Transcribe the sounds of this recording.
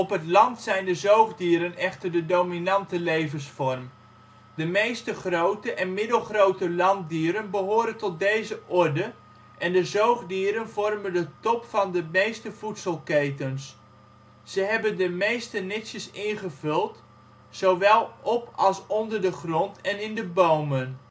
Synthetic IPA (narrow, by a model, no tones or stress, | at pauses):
ɔpɦətlɑntsɛjndəzowχdiːɾənɛχtərdədowminɑntəlejvənsfɔrm | dəmejstəχrowtəʔɛnmɪdəlˠχrowtəlɑnt̚diːɾənbəɦoːɾəntɔt̚dejzəʔɔrdə | ʔɛndəzowχdiːɾənvɔrməndətɔpfɑndəmejstəv̥utsəlˠkejtəns | səɦɛbəndəmejstənɪsjəsɪnχəvɵlˠt | sowʋɛlˠʔɔpɑlˠsɔndərdəχrɔntʰɛnɪndəbowmən